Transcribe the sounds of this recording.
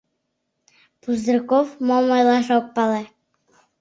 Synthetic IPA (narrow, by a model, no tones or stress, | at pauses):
puzd̪rkofmomɑjlˠɑʃok̚pɑle